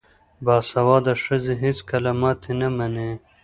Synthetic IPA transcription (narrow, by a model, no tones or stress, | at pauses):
baːsɐwɑːd̪ɐʂɐzeɦiskɐlɐmaːt̪ʰenɐmɐne